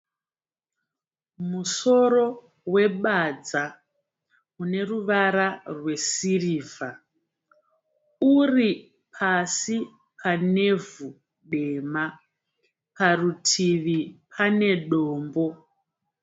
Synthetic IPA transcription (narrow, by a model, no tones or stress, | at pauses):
muso̞ro̞ | we̞ɓad͡za | une̞ruʋaɾarwe̞siriːva | uri | pʰasi | pʰane̞vu | ɗe̞ma | parutʰiʋipʰane̞ɗoːmbo̞